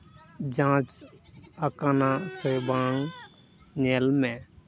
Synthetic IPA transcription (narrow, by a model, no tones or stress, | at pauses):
d͡ʒãːt͡ʃəkaːnasəbaːŋ | nelmẽː